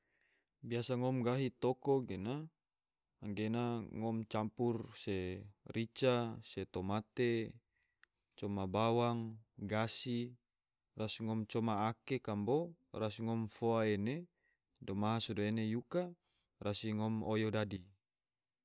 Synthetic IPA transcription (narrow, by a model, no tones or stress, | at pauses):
biasaŋɔmɡaɦit̪okoɡena | ŋɡenaŋɔmt͡ʃampurserit͡ʃaset̪omat̪e | t͡ʃɔmabawaŋɡasi | rasŋɔmt͡ʃɔmaːkekamborasŋɔmfoaene | domaɦasudoenejuka | rasiŋɔmojodadi